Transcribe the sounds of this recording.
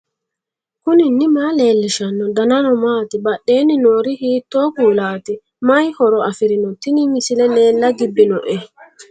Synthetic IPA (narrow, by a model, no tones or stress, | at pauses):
kʊnɪnːɪmaːleːlːɪʃɐnːɔd̪ɐnɐnɔmaːt̪ɪbɐɗːe̞ːnɪnoːɾɪhiːt̪ːoːkuːlaːt̪ɪ | mɐjhɔɾɔɐfɪɾɪnɔt̪ːɪnɪmɪsɪlɛle̞ːlːɐɡɪbːɪnɔʔɛ